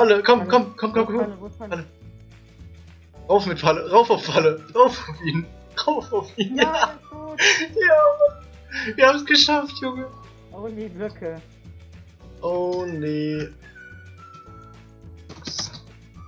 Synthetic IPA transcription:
aləkʰɔmkʰɔmkʰɔmkʰɔmkʰɔalə | ʁaʊfmɪtfaləʁaʊfaʊfaləʁaʊfaʊfiːn | ʁaʊfaʊfiːn | jaː | viːɐhaːmsɡ̥əʃaftʰjʊŋə | ʔoneː | s

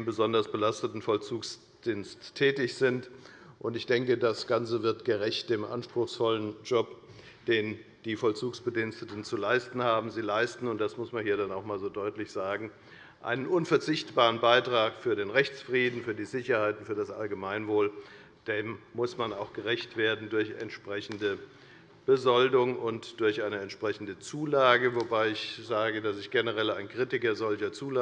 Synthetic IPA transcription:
mbəzɔndɐsb̥əlastətn̩fɔlt͡suːks | d̥iːnstʰːɛːtɪçz̥ɪntʔʊntɪçd̥ɛŋkədasɡ̥ant͡səvɪɐtɡ̥əʁɛçt̚d̥eːmʔa̰nʃpʁ̥ʊxsfɔlənd͡ʒɔp | d̥eːnd̥iːfɔlt͡suːksb̥ədinstətn̩t͡sulaɪstn̩haːbm̩ziːlaɪstn̩ʊnt̚d̥asmʊsmanhiːɐdanaʊxmaːlzoːdɔʏtlɪçz̥aːɡŋ̩ | ʔa̰ɪnənʔʊnfɛɐt͡sɪçtb̥aːʁ̞ənbaɪtʁ̥aːkfyːɐɾeːnʁɛçt͡sfʁ̥iːdn̩fyːɐdiːzɪçɐhaɪtn̩fyːɐdasʔa̰lɡəmaɪnvoːl | d̥eːmmʊsmanaʊxɡ̥əʁɛçtv̥eːɐdn̩dʊɐçɛ̰ntʃpʁ̥ɛçn̩də | b̥əzɔldʊŋʔʊntd̥ʊɐçʔaɪnəɛntʃpʁ̥ɛçn̩dət͡suːlaːɡəvobaɪɪçz̥aːɡədasɪçɡ̥enəʁɛlaɪnkʁ̥itɪkɐzɔlçɐt͡suːl

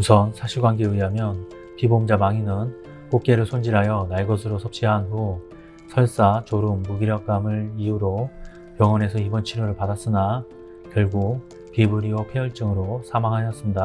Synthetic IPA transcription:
usʰʌnsʰaɕʰiɡwanɡeiɦamjʌn | pibomd͡ʑamaŋinɯn | kok͈̚e̞ɾɯɭsʰond͡ʑiɾɦajʌnaɭɡʌsʰɯɾosʰʌp̚t͡ɕ͈iɦanɡo | sʰʌɭs͈at͡ɕoɾɯmːuɡiɾjʌk͈amɯɾijuɾo | jʌŋwʌne̞sʰʌibʌnt͡ɕʰiɾoɾɯɭpadas͈ɯna | kjʌɭɡo | pibuɾiopʰeʌɭt͡ɕ͈ɯŋɯɾosʰamaŋɦajʌs͈ɯnɲda

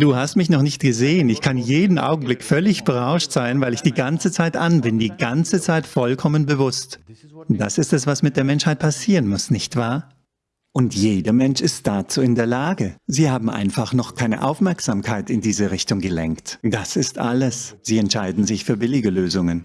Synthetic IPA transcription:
d̥uːhastmɪçnɔχnɪçt̚ɡ̥əzeːənɪçkʰanjeːdn̩ʔa̰ʊɡŋ̩blɪkfœlɪçb̥əʁaʊʃtz̥aɪnvaɪlɪçd̥iːɡant͡sət͡saɪtʔanbɪndiːɡant͡sət͡saɪtfɔlkʰɔmənbəvʊstd̥asɪstɛs̬v̥asmɪt̚d̥eːɐmɛnʃhaɪt̚pʰasiːʁənmʊsnɪçtv̥aːɐ | ʔʊntjeːdɐmɛnʃɪstd̥aːt͡suːɪndeːɐlaːɡəziːhaːbm̩ʔa̰ɪnfaχnɔχkʰaɪnə̰ʔa̰ʊfmɛɐkz̥aːmkʰaɪtɪndiːzəʁɪçtʊŋɡəlɛ̰ŋktd̥asɪstʔa̰ləsz̥iːɛntʃaɪdn̩zɪçfyːɐbɪlɪɡəløːzʊŋən

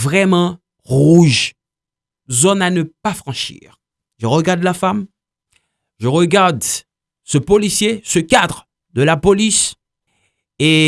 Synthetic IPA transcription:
vʁɛmɑ̃ | ʁuʒ | zɔnanəpafχɑ̃ʃḭʁ | ʒəʁəɡaʁd̪lafam | ʒəʁəɡaʁd̪ | səpɔlisjesəkad̪ʁ | d̪əlapɔlis | e

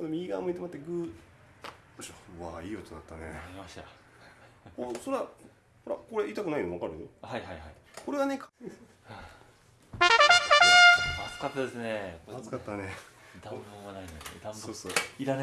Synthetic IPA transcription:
anomʲiiɡaːmoit̪emat̪ːeɡɯː | ɕoβaːiːot̪ːod̪at̪ːaneimaɕt̪a | kosoɾa | hoɾa̰ko̞ɾe̞it̪akɯ̟nainoβakaɾɯ̟johaihaiɦai | ko̞ɾe̞ɡane̞kʰ | mat͡sɨ̥kat̪ːad̪esɨnekomat͡sɨ̥kat̪ːane | d̪ãmbɯmanaĩnesed̪ãmsoːsoːiɾan

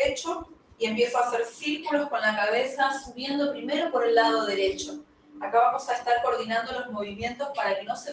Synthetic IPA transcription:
et͡ʃo̞ie̞mpje̞soaseɾsiɾkulo̞sko̞nlakaβ̞e̞sasuβje̞nd̪o̞pɾime̞ɾo̞po̞ɾe̞lːað̞o̞ð̞e̞let͡ʃo̞ | akaβamo̞saest̪aɾko̞ɾð̞inand̪o̞lo̞zmo̞βimje̞nt̪o̞spaɾakeno̞se

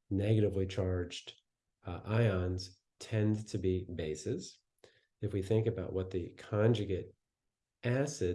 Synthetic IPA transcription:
nɛɡɨɾɨvlit͡ʃʰɑɹd͡ʒd | ʔaɪɑ̃nz̥ | tʰɛ̃ntʰɨbibeɪsɨz̥ | ɨfwiθɪ̃ŋkɨbaʊʔ̚wʌt̪̚ðikʰɑ̃nd͡ʒɨɡɨɾ | ʔæsɨ

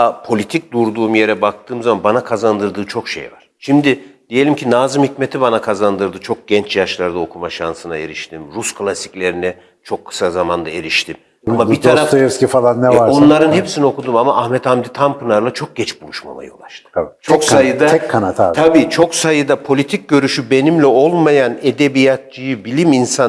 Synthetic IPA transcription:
apʰo̞lʲit̪ʰic̚d̪uɾd̪uːmje̞ɾɛbak̚t̪ʰɯːmzamanbanakʰazand̪ɯɾd̪ɯːt͡ʃʰo̞kʃḛjva̰ɾ̥ʃimd̪ɪd̪̥ije̞lʲimcʰinaːzɯmhicmet̪ʰibanakʰazand̪ɯɾd̪ɯt͡ʃʰo̞k̚ɟ̥ɛnt͡ʃjaʃlˠaɾd̪ao̞kʰumaʃansɯnae̞ɾiʃt̪ʰimɾuskʰlˠasi̥cʲlʲe̞ɾinɛ | t͡ʃʰo̞kʰːɯ̥sazamand̪ae̞ɾiʃt̪ʰim | amait̪ʰaɾafaɛscifalˠanːɛvaɾonlˠaɾɯnhepsinio̞kud̪umamaʔːhmɛt̪ʰhamd̪it̪ʰampʰɯnˠaɾlˠat͡ʃʰo̞k̚ɟ̥ɛt͡ʃbulˠuʃma̰ma̰jɯolˠa̰ʃt̪ʰɯ̥t͡ʃʰoksajɯd̪aɛkkʰːanat̪ʰat̪ʰabiːt͡ʃʰo̞ksajɯd̪apʰo̞lʲit̪ʰic̚ɟø̞ɾyʃybe̞nimlʲɛo̞lˠmajaned̪e̞bijat̪̚t͡ʃijɯbilʲiminsa

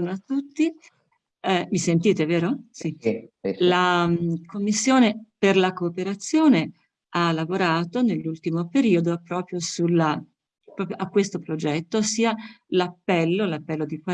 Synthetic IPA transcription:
noat̪ːut̪ːi | visent̪iːt̪eveːɾosi | lakomːisːjoːneperlakoːpeɾat̪sjoːne | alːavoɾaːt̪onelːult̪imopeɾiːod̪opːɾɔːpɾjosulːa | pɾɔːpɾjoʔakːwest̪opɾod͡ʒɛt̪ːosiːalapːɛlːolapːɛlːod̪ikwa

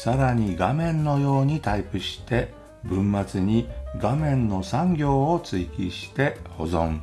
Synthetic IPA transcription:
saɾaɲ̟iɡamẽ̞nnːo̞jo̞ːɲ̟it̪aipɯ̟ɕi̥t̪e̞ | bɯ̟̃mːat͡sɨɲ̟iɡamẽ̞nːo̞sãŋɡʲo̞ːt͡sɨikʲiɕi̥t̪e̞ho̞zõ̞ɴ

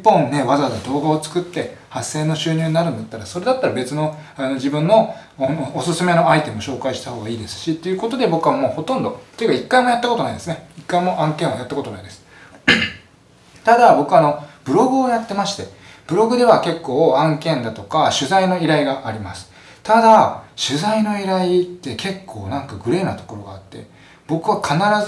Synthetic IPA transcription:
ipːõ̞nːe̞βazazad̪o̞ːɡao̞t͡sɨ̥kɯt̪ːe̞hasːe̞ːno̞ɕɨːɲ̟ɨːɲ̟inaɾɯ̟nd̪at̪ːaɾaso̞ɾe̞d̪at̪ːaɾabe̞t͡sɨno̞ano̞d͡ʑibɯ̟̃nːo̞ | onoːsɨsɨme̞no̞ait̪e̞mo̞ɕo̞ːkaiɕi̥t̪aho̞ːɡaiːd̪e̞sɨ̥ɕit̪ːe̞jɯ̟ko̞t̪o̞d̪e̞bo̞kɯ̟βamo̞ːho̞t̪õ̞nd̪o̞t̪o̞ekaikːaimo̞jat̪ːakot̪o̞naid̪e̞sɨneikːaimo̞ʔãŋkeɰ̃ajat̪ːako̞t̪onaid̪e̞sɨ̥ | t̪ad̪abo̞kɯ̟ano̞b̥ɯ̟ɾo̞ɡɯ̟o̞jat̪ːe̞maɕi̥t̪e̞ | b̥ɯ̟ɾo̞ɡɯ̟d̪e̞βake̞kːo̞ːãŋkẽ̞nd̪at̪o̞kaɕɨzaino̞iɾaiɡaʔːɾʲima̰sɨ̥ | t̪ad̪aɕɨzaino̞iɾait̪ːe̞ke̞kʰːo̞̰ːnãŋkaɡɯ̟ɾe̞ːnat̪oko̞ɾo̞ɡa̰ːt̪ːe̞̰ | b̥o̞kɯ̟βakʰanaɾaz

